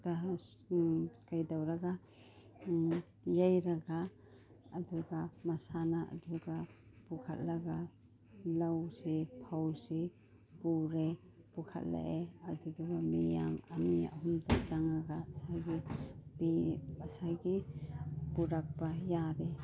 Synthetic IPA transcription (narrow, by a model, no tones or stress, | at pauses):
da | kajdawɾaɡa | jajɾaɡaː | duɡamasanaʔa̰duɡabukʰa̰t̚laɡa | lawsipʰawsi | puɾe | b̥ukʰa̰t̚la̰ʔeaɾduduɡamija̰ŋa̰mia̰ɦumdasaŋɾaɡasajɡibiasajɡi | buɾak̚bajade